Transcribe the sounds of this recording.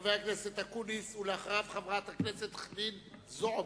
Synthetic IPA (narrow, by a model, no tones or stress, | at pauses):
veakneset̪hakunisuleaχʁavχavʁat̪hakneset̪χdinzoo